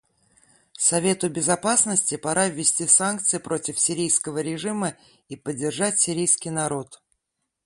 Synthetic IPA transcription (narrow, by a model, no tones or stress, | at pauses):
sɐvʲe̞t̪ʊbʲɪzɐpasnəsʲtʲɪpɐɾʔavʲːɪsʲtʲisank̚t̪sɨjɪpɾo̞tʲɪfsʲɪɾʲijskəvəɾʲɪʐɨmə | ipədʲːɪrʐatʲsʲɪɾʲijskʲɪjnɐɾo̞t̪